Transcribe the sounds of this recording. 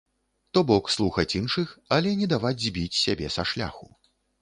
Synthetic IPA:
t̪ɔbɔkslˠuxɐt͡sʲinʂɨxɐlʲɛnʲɛd̪avad͡zʲzʲbʲit͡sʲsʲabʲɛsɐʂlʲa̰xu

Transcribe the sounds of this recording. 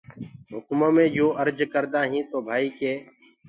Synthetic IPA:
ɦʊkmomẽːd͡ʒoːʔəɾd͡ʒkəɾd̪aːɦĩːt̪oːbʱaːiːkeː

